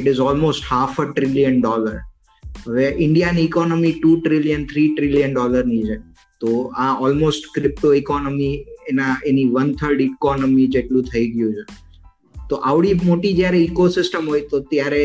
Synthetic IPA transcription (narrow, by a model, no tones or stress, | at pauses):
ɪʈɪzɔlmosʈhafəʈɾɪlijənɖɔləɾ | ɦəʋeʔɪ̃ɳɖijaniːkɔnəmiʈuʈɾɪljənt̪ʰɾiʈɾɪlijənɖɔləɾnid͡ʒe | t̪oaɔlmosʈkɾɪp̚ʈoikɔnəmienaeniʋənt̪ʰəɾɖikɔnəmid͡ʒeʈlũt̪ʰəiɡəjũt͡ʃʰe | t̪oʔaʋɽimoʈid͡ʒjaɾeikosɪsʈəmɦojt̪ot̪jaɾe